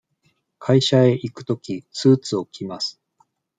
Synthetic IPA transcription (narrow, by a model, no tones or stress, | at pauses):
kʰaiɕae̞ʔikɯ̟̥t̪o̞kʲit͡sɨːt͡sɨo̞kʲʰimasɨ̥